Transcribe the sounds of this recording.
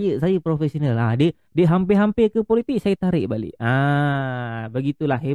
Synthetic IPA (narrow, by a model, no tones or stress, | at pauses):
jəsajəpɾofesionalahdə | dəɦampɪɦampɪkəpolit̪iʔsajət̪aɾɪʔbalɪ̰ʔa | bəɡit̪ulahɦe